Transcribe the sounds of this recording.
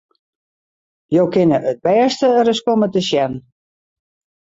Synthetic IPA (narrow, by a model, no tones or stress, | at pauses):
jowkɪnəʔət̚bɛːstəərəskomətəsjɛn